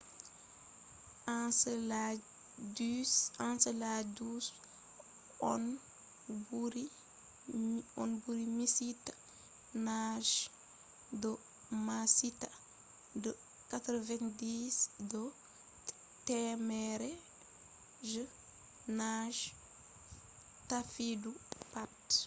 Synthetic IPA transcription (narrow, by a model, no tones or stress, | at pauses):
ʔasla | dsansəladuːs | ɔn | buɾi | ɔ̰nbuɾimisit | naʒ | dɔ | masita | də | katɾɔvɛndiːsdɔ | tɛmɛɾe | ʒə | naʒ | tafidupat